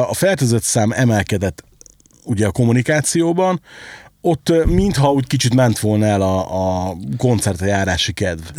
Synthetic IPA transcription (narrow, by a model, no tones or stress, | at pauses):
ɒfɛrt̪øzøt̪saːmɛmɛlkɛd̪ɛt̪ː | uɟɛɒko̞munikaːt̪sijoːbɒno̞t̪ːmint̪hɒuːckit͡ʃit̪mɛnt̪ʋo̞lnɛlɒːko̞nt̪sɛrt̪ɒjaːɾaːʃikɛd̪v